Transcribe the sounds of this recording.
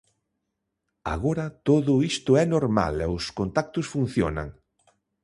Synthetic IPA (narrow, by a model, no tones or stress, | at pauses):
a̰ɣoɾɐt̪oðʊist̪ʊɛnoɾma̰lɛʊskont̪ak̚t̪ʊsfun̟θjo̰na̰ŋ